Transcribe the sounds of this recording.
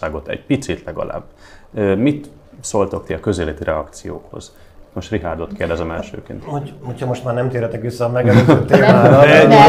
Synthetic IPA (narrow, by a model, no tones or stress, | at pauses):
aːɡo̞t̪ɛ̰ɟpit̪sit̪lɛɡɒ̰lʔa̰ːb | øːmit̪ | solt̪ok̪iɒkøzeːlɛt̪irʔɛɒkt̪sijo̰ːkho̞̰z̥ | mo̞ʃt̪riɦaːd̪o̞t̪keːrd̪ɛzɛmɛlʃø̰ːkḭnt̪hohochɒmo̞ʃt̪maːrnɛmt̪iːɾɛt̪ɛkʋisːɒːmɛɡɛløzøt̪ːmaːd̪ɛɛi